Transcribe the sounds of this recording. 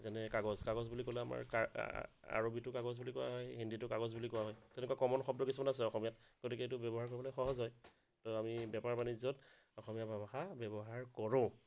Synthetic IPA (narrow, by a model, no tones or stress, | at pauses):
zɛnɛkaɡɔzkaɡɔzbulikɔlɛama̰ɹka̰ | a̰ɹobitʊkaɡɔzbulikɔwa̰ɦɔjɦinditʊkaɡɔzbulikɔwaɦɔjtɛnɛkwakɔmɔnxɔb̚dɔkisumanasɛɔxɔmijatɡ̥otikɛetʊbɛbɔɦaɹk̬ɔɹibɔlɔxɔɦɔzɔj | tɔamibɛpaɹpanizɔt | ɔxɔmijabʱabaxabɛbɔɦaɹkɔɹõ